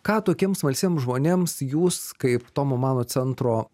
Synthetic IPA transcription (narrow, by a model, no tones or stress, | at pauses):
kɑːt̪oːkʲiɛmsmɐlʲsʲiːɛmsʒmoːnʲeːmsjuːskɐɪpt̪oːmomɑːnoːsʲɛnt̪ɾoː